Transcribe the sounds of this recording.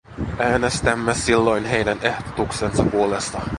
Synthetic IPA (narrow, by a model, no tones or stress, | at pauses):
æːnest̪æmːesilːo̞jnɦe̞jdæne̞ht̪o̥t̪ukse̞nsɑpuo̞le̞st̪ɑ